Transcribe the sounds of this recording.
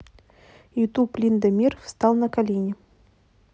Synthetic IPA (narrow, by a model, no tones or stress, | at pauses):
jɪt̪uplʲind̪əmʲirfst̪ɑlˠnəkalʲenʲɪ